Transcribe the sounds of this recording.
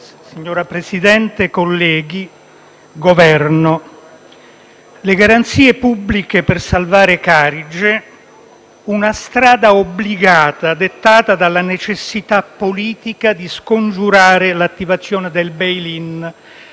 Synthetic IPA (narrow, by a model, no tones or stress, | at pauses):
siɲːoːɾapɾesid̪ɛnt̪ekolːɛːɡi | ɡovɛrno | leɡaɾant̪siːepubːlikepersalvaːɾekaːɾid͡ʒe | unast̪ɾaːd̪aobliɡaːt̪ad̪et̪ːaːt̪ad̪alːanet͡ʃesːit̪apːoliːt̪ikad̪iskond͡ʒuɾaːɾelat̪ːivat̪sːjoːned̪elbejlin